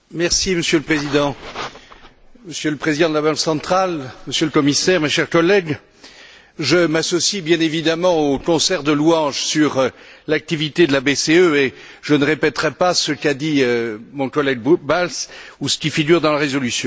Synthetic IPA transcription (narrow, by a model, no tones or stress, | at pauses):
mɛʁsiməsjøləpχezid̪ɑ̃ | məsjøləpχezid̪ɑ̃d̪əlabɑ̃ksɑ̃t̪χalməsjøləkɔmisɛʁmeʃɛʁkɔlːɛɡ | ʒəmasɔsibjɛ̃nevid̪amɑ̃okɔ̃sɛʁd̪əluɑ̃ʒsyʁlak̚t̪ivit̪ed̪əlabeseøe | ʒənəʁepɛt̪ʁɛpasəkad̪iømɔ̃kɔlɛɡbalsusə̥kʲifiɡʲyʁd̪ɑ̃laʁezɔlysjɔ̃